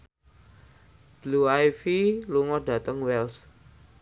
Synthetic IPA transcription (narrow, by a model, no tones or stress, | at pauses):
d̥luajfiluŋɔɖ̥a̤t̪əŋwɛls